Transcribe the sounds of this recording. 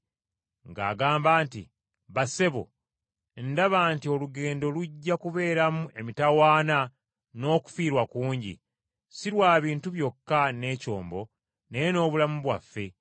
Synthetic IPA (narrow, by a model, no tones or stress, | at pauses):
ŋɡa̰ːɡaːmbaːntḭ | βase̞βo̰ | ndaβaːntio̞luɡe̞ːndo̞luɟːakuβe̞ːɾamue̞mitawaːna | no̞ːku̥fiːɾwakuːɲɟḭ | siɾwaːβiːntuβjo̞kːane̞ːco̞̰ːmbo̞ | nejeno̞ːβulamuβwa̰fːe̞